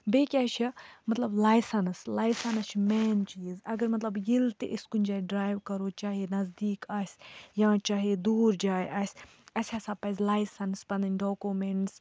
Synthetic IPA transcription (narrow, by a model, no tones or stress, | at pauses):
beːkʲaːt͡ʃʰimɐt̪lɐblaːjsɐnslaːjsɐnst͡ʃʰmɛːnt͡ʃiːzɐɡɐɾmɐt̪lɐbjilt̪eʔiskunʲd͡ʒaːjɖɾaːjʋkɐɾoːt͡ʃaːɦenɐzd̪iːkaːsʲjãːt͡ʃaːɦed̪uːɾd͡ʒaːjʔɐːsʲ | ɐsʲaːsaːpɐzlaːjsɐnspɐnd̪ɐnʲɖoːkumeɳʈs